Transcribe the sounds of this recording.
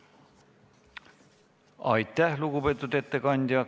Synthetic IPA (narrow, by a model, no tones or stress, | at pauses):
ɑ̰jt̪ːæhlukupet̪ːut̪et̪ːekɑnʲd̪ʲiɑ